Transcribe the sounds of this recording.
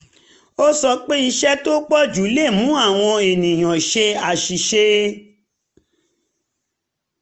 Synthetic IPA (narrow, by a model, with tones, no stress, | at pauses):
o˦sɔ˧k͡pe˦i˧ʃɛ˦to˦k͡pɔ˦d͡ʒu˨˦le˦˨mũ˨˦a˦˨w̃ɔ̃˧e˨nĩ˨j̃ɔ̃˨ʃe˧a˨ʃi˨ʃe˧